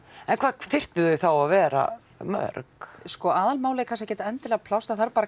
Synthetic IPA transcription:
ɛnkʰv̥aːðθɪr̥t̪ɪðœɥθawaðvɛːɾa̰ | mœ̰ɾkskɔaːðalmaːwlɛjkʰans̬acɛːt̪aɛnt̪ɪlɛɣapʰlawst̪aθaɾpaːɾa

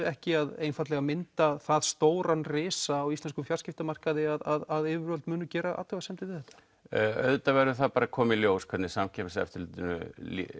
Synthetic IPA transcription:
ɛhcɪaðejnfat̪lɛɣamɪnt̪aθaðst̪oːwɾanrɪːsaːwist̪ɛnskʏmfjaɾ̥rscɪft̪amar̥kaðɪaðaðaðɪːvʏɾœlt̪mʏːnʏcɛːɾaʔa̰t̪avasɛmt̪ɪvɪðɛht̪ḁ | œ̰ðt̪avɛɾðʏθaðpaːɾakʰɔːmɪiljoːwskʰɛt̪nɪsamcʰɛmɪsɛ̰ft̪ʏɾlʏːt̪ɪnʏ̰

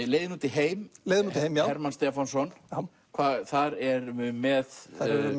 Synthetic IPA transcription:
leːjðɪnuːt̪ɪɦeːjmleːjðɪnuh̪hejmjaɛɾmanst̪ɛfɔnsɔn | kʰvaːθaɾɛɾʏmɛðaɛ

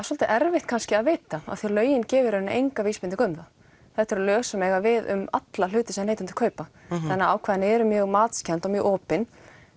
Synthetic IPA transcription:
asɔlt̪ɪʔɛɾvɪht̪̚kʰanscɪaðveːt̪aa̰ðθjɛɾlœːɥjɪncɛːvɪɾœnːʔejŋkaviːspɪnt̪ɪkʏmða | θɛht̪ɛɾalœːsamɛɣavɪðʏ̰ma̰t̪lal̥ʏːt̪ɪsɛmejt̪ːɪnt̪ɪ̥kʰœːɥpaθanːaawkʰvaːðɪnɪɛɾʏmjœːɣmaːt̪scʰɛnt̪ɔmjœːɣʔɔːpɪn

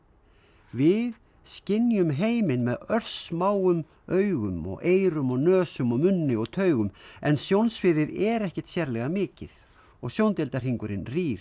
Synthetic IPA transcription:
vɪð | scɪnjʏmɦeːjmɪnmɛðœr̥smaːwʏm | œːɥɣʏmɔ̰ɣeːjɾʏmɔɣnœːsʏmɔɣmʏnːɪɔɣt̪ʰœːɥɣʏmɛnsjownsvɪðɪðɛɾɛhcɪ̥t̪sjɛɾlɛɣamɪːcɪð | ɔɣsjownt̪ɛlt̪ar̥iŋkʏɾɪnriːɾ

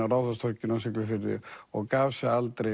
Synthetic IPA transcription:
awɾawðast̪ʰɔɾcɪnawsɪklʏfɪɾðɪ̰ɔɣkaːvsaalt̪ɾe

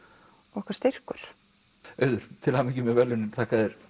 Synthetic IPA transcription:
ɔhkvaɾst̪ɪr̥kʏɾ̥ | œːɥðʏɾ̥t̪ʰɪlhamicɪmɛvɛlʏnɪɾt̪ʰaːkaðɛɾ̥

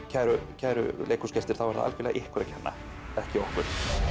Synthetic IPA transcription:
cʰajɾʏcʰaːɾʏ̰leːjkʰu̥scɛst̪ɪɾ̥θawvaɾða̰ʔa̰fɪːlaʔɪhkvʏɾacʰɛnːa̰ | ɛhcɪɔhkʏɾ̥

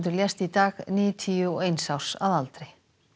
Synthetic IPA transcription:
t̪ʏɾljɛst̪it̪aːɣniːjʏt̪ʰiːʏɔejnsawsa̰ðalt̪ɾɪ

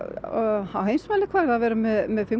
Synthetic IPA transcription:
awhejnsmaːlɪkʰvaːɾaðvɛːɾamɛðmɛðfɪm

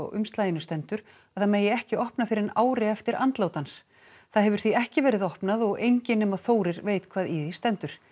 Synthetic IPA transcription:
ɣʏ̰mst̪laːjɪnʏst̪ɛnt̪ʏɾ̥ | aθameːjɪɛhcɪɔhpnafɪɾɪɾna̰ːwɾɪɛft̪ɪɾa̰nt̪lowt̪ans | θaðɦɛvʏɾ̥θiɛhcɪvɛːɾɪðɔhpnaðɔɣejɲcɪnɛmaðθoːwɾɪɾveːjt̪kʰv̥aːðiðist̪ɛnt̪ʏɾ̥

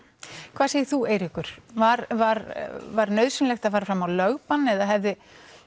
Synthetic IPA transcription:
kʰv̥aːseːjɪθueːjɾɪhkʏɾ̥vaɾvaɾvaɾnœːɥðsʏnlɛxt̪aðfaːɾafɾamawlœɣpanɛðaðɦɛvðɪ

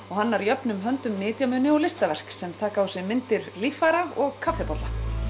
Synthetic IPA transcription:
ɔɣɦanːaɾjœpnʏmɦœnt̪ʏmnɪːt̪jamʏnɪɔlɪst̪avɛr̥ksɛmt̪ʰaːkausɪɣmɪnt̪ɪɾlifaɾaɔɣkʰafɪpɔt̪la

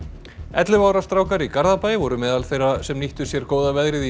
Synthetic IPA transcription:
ɛt̪lɪvaːwɾast̪ɾaːwkaɾikaɾðapaːjɪvɔɾʏmɛːðalθejrasɛmniht̪ʏ̥sjɛɾ̥koːwðavɛðɾɪði

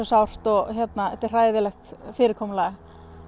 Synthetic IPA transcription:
ɔsawr̥t̪ɔɣçjɛt̪naɛt̪ːɪ̥r̥aːjðɪlɛxt̪fɪːɾɪɾkʰɔːmla

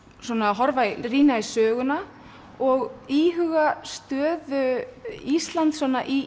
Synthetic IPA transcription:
swɔːnaɦɔɾvairiːnaisœːɣʏna | ɔɣiːɦʏɣast̪œːðʏist̪lant̪sɔnːaʔi

